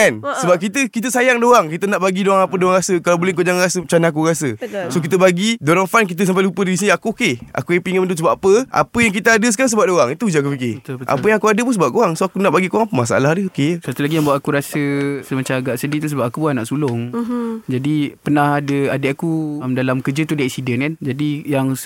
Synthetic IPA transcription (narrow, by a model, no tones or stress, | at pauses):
ansəbap̚kit̪əkit̪̬əsajaŋdoaŋkit̪ənaʔbaɡidoaŋapədoaŋɾasəkalawbolekuod͡ʒaŋaɾasət͡ʃanak̬uɾasəsokit̪̬əbaɡidoɾaŋfank̬it̪̬əs̬ampajlupədiis̬iniakuokea̰kujapiŋəməndusəbap̚apəʔa̰pəjaŋk̬it̪əadəsəkaɾaŋs̬əbap̚doɾaŋit̪uud͡ʒakufikeət̪bəʔa̰pəjaŋakuadəpuns̬əbap̚koɣaŋsoakunaʔbaɡikoɣaŋpəmas̬a̰ʔa̰lahdəokejəsat̪ulaɡijãŋbawaʔakuɾasəsəmat͡ʃaaɡaʔsədiit̪us̬əbap̚akuanaʔsulʊŋd͡ʒadipənahadəadəʔakumdalamkəd͡ʒət̪udaiʔsidənkand͡ʒadijaŋ